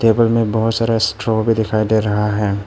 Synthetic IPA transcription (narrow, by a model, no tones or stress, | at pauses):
ʈeːbəlmẽbɐɦʊt̪saːɾasʈɾobʱid̪ɪkʰaːid̪eːɾɐɦaɦɛː